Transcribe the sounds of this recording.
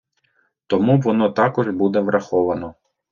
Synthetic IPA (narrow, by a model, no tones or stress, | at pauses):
t̪ɔmuʋɔnɔt̪ɑkɔʒbud̪ɛʋɾʔɐxɔʋɐnɔ